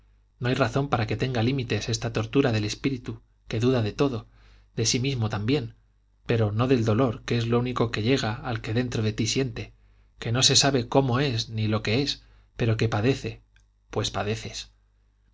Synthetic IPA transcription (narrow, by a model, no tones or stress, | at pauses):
no̞ajraθo̞mpaɾake̞t̪e̞ŋɡalimit̪e̞se̞st̪at̪o̞ɾt̪uɾaðe̞le̞spiɾit̪u | ke̞ðuðaðe̞t̪o̞ðo̞ | d̪e̞simizmo̞t̪ambje̞n | pe̞ɾo̞no̞ðe̞ld̪o̞lo̞ɾkee̞zlouniko̞ke̞ʎe̞ɣ̞aːlke̞ðe̞nt̪ɾo̞ðe̞t̪isje̞nt̪e̞ | ke̞no̞se̞saβe̞ko̞mo̞e̞znilo̞ke̞e̞s | pe̞ɾo̞ke̞paðe̞θe̞ | pwe̞spaðe̞θe̞s